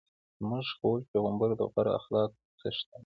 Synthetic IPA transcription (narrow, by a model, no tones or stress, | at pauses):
zmʊʒxolpeɣəmbaɾd̪ə̰ɣaɾa̰xlɑːk̚ | səʃt̪a